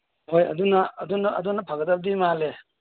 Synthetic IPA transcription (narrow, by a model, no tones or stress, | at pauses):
hojɐ̰dunɐːdunɐɐ̰dunɐpʰaɡɐdɐb̚dimale